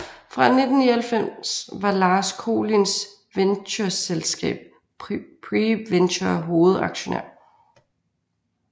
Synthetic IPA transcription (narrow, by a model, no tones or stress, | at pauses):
fʁɑ̈ne̝d̥n̩ːiælfem̰sʋɑ̈lɑ̈ːskʰo̝̰ːlins | ʋenɕɐselsɡ̥ɛ̰ːb̥̚ | pʰʁiʋenɕɐɦo̝ːð̩ˠɑ̈ɡ̥ɕo̝nḛɐ̰